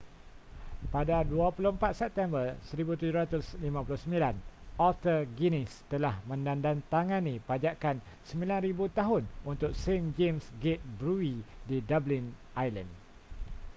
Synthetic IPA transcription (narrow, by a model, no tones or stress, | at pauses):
padaduapulʊhəmpat̪̚sɛp̚t̪ɛmbərsəɾibut̪ud͡ʒuɾat̪ʊslimãpulʊhsəmilanɔlt̪əɡinist̪əlahmə̃ndandant̪aŋãnĩpad͡ʒakan | səmbilanɾibut̪aɦʊnunt̪ʊk̚send͡ʒemsɡet̪̚bɾuididablinʔajlə̰̃nd